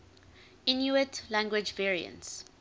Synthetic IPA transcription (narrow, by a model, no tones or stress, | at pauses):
ɪ̃njuətlæ̃ŋɡwɪd͡ʒvɛɹiə̰̃nts